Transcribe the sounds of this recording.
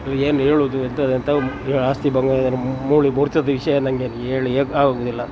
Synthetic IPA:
eːneːɭuːd̪uent̪ɐd̪int̪ɐeaːst̪ibɐŋɡɐd̪ɐɾumuːɭimuːɾt͡ʃɐd̪ɐʋiʂɐjɐend̪ɐŋɡeːneːɭieːaːɡaɡuːd̪ilːɐ

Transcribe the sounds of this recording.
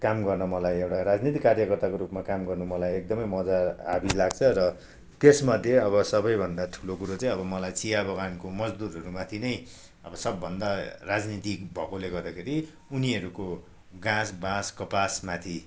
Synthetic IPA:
kamɡʌrnʌmʌlajewʈaɾad͡znit̪ikːarjʌkʌrt̪akoɾupmakamɡʌrnumʌlajek̚d̪ʌmʌjmʌd͡zaa̰bilaɡt͡sʰʌɾʌ | t̪esmʌd̪ʱjeʌβʌsʌbʌjbʱʌnd̪aʈʰu̥lokuɾot͡saĩʌbʌmʌlajt͡sijabʌɡankomʌd͡zd̪uɾɦʌɾumat̪ʰinʌj | ʌbʌsʌbːʌnd̪arad͡znit̪ikbʱʌkoleɡʌrd̪akʰeɾi | uniʌɾuko | ɡãsbãskʌpasmat̪ʰi

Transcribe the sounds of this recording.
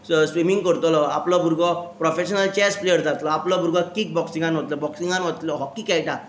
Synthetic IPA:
sʋimiŋɡkəɾt̪ɔlɔa̰plɔbʱuɾɡɔpɾɔfeɕənəlt͡ɕɛsplejəɾd͡zat̪lɔaplɔbʱuɾɡɔkik̚bɔksiŋɡanɦot̪lɔbɔksiŋɡanɦɔt̪lɔɦɔkːikɛlʈa

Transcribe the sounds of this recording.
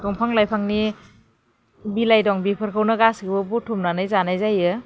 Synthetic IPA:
dɔŋpʰaŋlajpʰaŋni | bilajdɔŋbipʰɯɾkʰawnaɡasɡibɔbutʰːumnanajzanajzajɯ

